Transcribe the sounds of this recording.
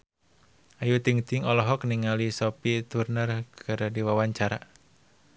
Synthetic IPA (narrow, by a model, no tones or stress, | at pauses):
ʔajut̪iŋt̪iŋɔlɔɦɔk̚niŋalisɔpit̪urnərkʰɨɾdiwawaɲt͡ʃaɾa